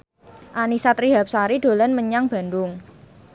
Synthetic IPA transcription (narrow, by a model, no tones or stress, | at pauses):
ʔanisat̪ɾiɦap̚saɾid̪̥o̤lənməɲaŋb̥a̤nd̪ʊŋ